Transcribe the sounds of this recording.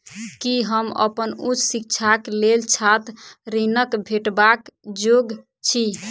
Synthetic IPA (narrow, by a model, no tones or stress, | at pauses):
kiɦəmə̰pənut͡ʃʰsik̚t͡ʃʰaklelt͡ʃʰat̪ɾinəkbʱeʈbakd͡ʒoɡ | t͡ʃʰi